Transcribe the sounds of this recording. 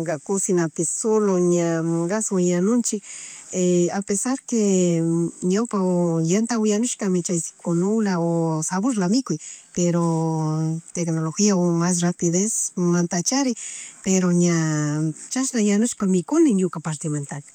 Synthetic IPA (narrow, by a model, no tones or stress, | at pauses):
ɡakʊsinap̪esoloɲaɡasowjanʊnt͡ʃɪkeapesaɾke | ɲawpaojant̪awjanʊʃkamet͡ʃajsi̥konolaosaβoɾlamɪkʊjpeɾo | t̪eknoloxiaomas̬rapiðesmant̪at͡ʃaɾɪpeɾoɲa | t͡ʃaʃlajanʊʃkamɪkʊnɪnjʊkapaɾt̪iment̪akḁ